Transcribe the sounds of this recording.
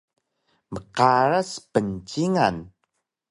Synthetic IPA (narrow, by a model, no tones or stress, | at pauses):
məqaɾəspənt͡ɕiŋan